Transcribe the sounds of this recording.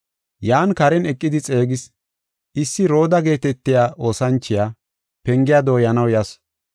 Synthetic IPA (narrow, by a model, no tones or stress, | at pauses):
jaːnkɐɾɛnɛkʼːɪd̪ɪt͡sʼe̞ːɡɪs | ɪsːɪɾo̞ːd̪ɐɡe̞ːt̪ɛt̪ːɪjaːʔo̞ːsɐnt͡ʃːɪjaː | pɛŋɡɪjad̪o̞ːjɐnɐwjɐs